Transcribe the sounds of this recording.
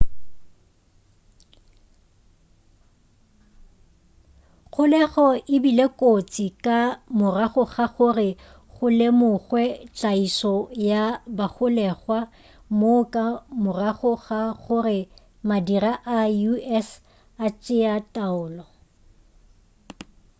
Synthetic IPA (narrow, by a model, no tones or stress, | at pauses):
χʊlɛχɔʔɪbilekʼot͡sʼikʼamʊraχʊɣaχʊrɪ | ɣʊlemʊɣwɛt͡ɬʼaisɔjabaχʊlɛχwa | mokʼamʊraχʊɣaɣʊrɪ | madiraʔauɛs | at͡ʃʼɪatʼaʊːlɔ